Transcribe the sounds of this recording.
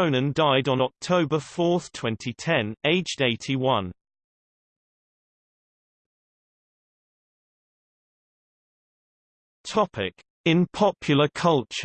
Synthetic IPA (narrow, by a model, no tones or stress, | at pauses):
ʊ̃nə̃ndaɪdn̩ɒk̚tʰəʊbəfɔˑθtʰw̥ɛ̃ntʰitʰɛ̃neɪd͡ʒdeɪtʰiwʌ̃n | tʰɒpʰɪk | ɪ̃npʰɒpʰjl̩ˠəkʰʌlˠt͡ʃə